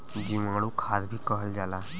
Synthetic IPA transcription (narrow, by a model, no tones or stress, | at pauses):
d͡ʒimãːɽ̃ũkʰaːd̪bʱiːkəɦəld͡ʒaːlaː